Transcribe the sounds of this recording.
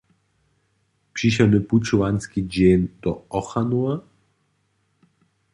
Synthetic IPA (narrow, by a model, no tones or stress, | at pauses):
pʂiɕɛnuput͡ʃuanskʲid͡ʑend̪̥ɔɔxanua